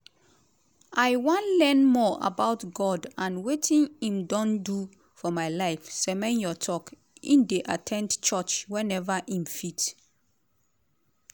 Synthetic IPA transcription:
ʔajwɔ̃nlɛ̃nmɔʔa̰baʊtɡɔdãnwetĩnĩmdɔ̃ndu | fɔmaɪlaɪfsɛmɛ̃njɔtʰɔk | ḭ̃ndeʔatʰɛ̃ndt͡ʃɔt͡ʃwɛ̃nɛvaʔĩmfit

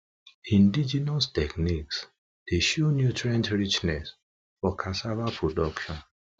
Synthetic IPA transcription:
ĩndid͡ʒɛnɔstɛkniks | d̥eʃunjutɹãntɹit͡ʃnɛs | fɔkʰasavapʰɹodɔkʃɔ̃n

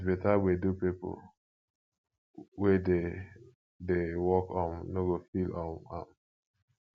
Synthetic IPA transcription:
betawedupipo̰l | wɛde | dewɔkɔ̃nnoɡofilɔ̃na̰m

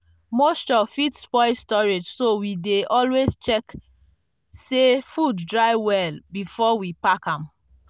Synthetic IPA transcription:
most͡ʃɔfitspɔɪstɔɹed͡ʒsowideʔɔlwezt͡ʃɛk | sefudːɹaɪwɛlbifɔwipakãm

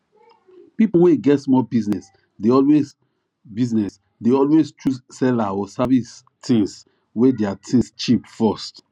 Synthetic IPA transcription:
pipoweɡɛtsmɔbisnɛs | deɔlwez | biznɛs | deɔlwest͡ʃusɛlaɔsavis | tʰĩŋs | wedeatʰĩst͡ʃipfɔst

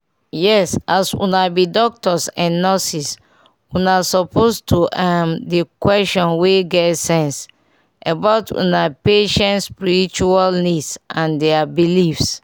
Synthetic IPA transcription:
jɛsasṵ̃nabidɔk̚tɔsãnːɔsis | unasɔpʰostʰuʔamdekwɛʃtɔ̃nweɡɛtsɛ̃ns | abaʊtʰṵnapeʃɛ̃ntspiɹit͡ʃualnisʔãndɛabilifs

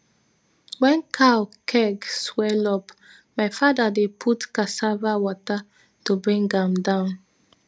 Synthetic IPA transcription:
wɛ̃nkʰalkʰɛɡswɛlɔp | maɪfadadepʰutkasavawɔta | tobɹĩŋɡãmdãʊ̃n

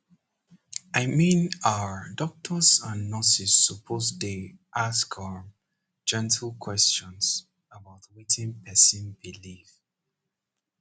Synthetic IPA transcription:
aɪmĩnaədɔk̚tʰəzãnːɔsisːəpʰozdiʔaskʰa | d͡ʒɛ̃ntʰl̩ˠkʰw̥ɛst͡ʃɔ̃nz̥ | əbaʊtwitʰɪ̃npʰɛsɪ̃nbilif

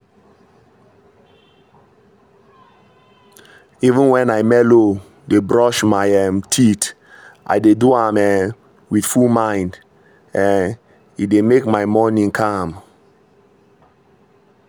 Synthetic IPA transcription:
ivə̃nwɛ̃naɪmɛlo | debɹɔʃmaɪɛmtʰit | ʔa̰ɪdeduamɛ | wiθfulmãɪ̃nd | ɛ̃n | it̚demekmaɪmɔnĩŋkʰãm

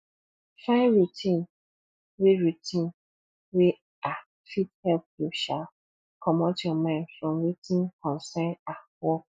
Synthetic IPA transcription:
fãɪ̃nɹitʰĩn | weɹitʰĩn | we | a | fithɛlp̚juʃal | kʰɔmɔtɔmãɪ̃nfɹɔ̃mɹitʰĩnkʰɔ̃nsɛ̃nawɔk̚

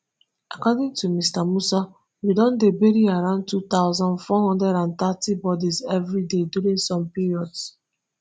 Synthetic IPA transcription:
akɔdɪ̃ŋtumistamusa | widɔ̃ndebeɾiaɹãʊ̃nd̚tut̪aʊzɔ̃ndfɔhɔ̃ndɹɛɾãnt̪atibɔdizɛvɹideduɾĩŋsɔ̃mpiɹiɔds

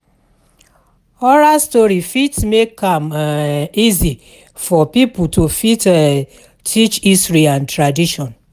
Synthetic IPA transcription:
ɔɾastɔɾifitsmekãm | izi | fɔpiputofit | tʰit͡ʃisɾiãntɾadiʃɔ̃n

